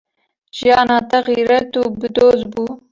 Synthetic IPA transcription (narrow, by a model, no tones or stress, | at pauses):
ʒijɑːnɑːt̪ɛɣiːɾɛt̪uːbɨd̪oːzbuː